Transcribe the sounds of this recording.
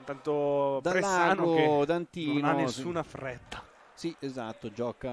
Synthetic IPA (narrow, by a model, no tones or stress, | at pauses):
t̪ant̪od̪aɾelaanɡod̪ant̪iːnaonesːuːnafɾɛt̪ːḁ | siezat̪ːod͡ʒɔːka